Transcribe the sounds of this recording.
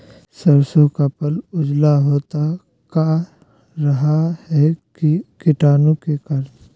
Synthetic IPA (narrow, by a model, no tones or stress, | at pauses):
sɐɾsõkapəlʊd͡ʒlaɦoːt̪a | ka | ɾɐɦahɛkikɪʈaːnõkekɐɾ